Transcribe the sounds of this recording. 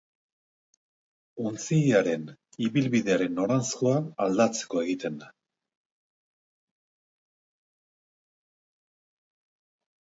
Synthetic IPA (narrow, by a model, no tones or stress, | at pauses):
unt͡siaɾe̞n | iβilβiðe̞aɾe̞nːo̞ɾanskoaald̪at͡se̥ko̞e̞ɣit̪e̞n